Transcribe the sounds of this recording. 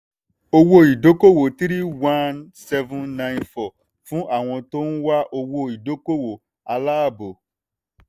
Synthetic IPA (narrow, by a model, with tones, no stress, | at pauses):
o˧wo˧i˨do˦ko˦wo˨ti˦ɾi˦wã˦nsɛ˦˧vũ˦nːã˦jnfɔ˨ | fũ˦ʔa˦˨w̃ɔ̃˧to˦nũ˦wa˦ʔo˧wo˧i˨do˨˦ko˦wo˨ | a˧la˦a˦˨bo˨